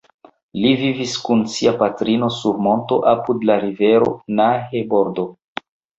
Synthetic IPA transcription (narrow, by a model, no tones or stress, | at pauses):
liviviskunsiapatɾino̞suɾmo̞nto̞̰ʔapudlaɾive̞ɾo̞̰nahebo̞ɾdo̞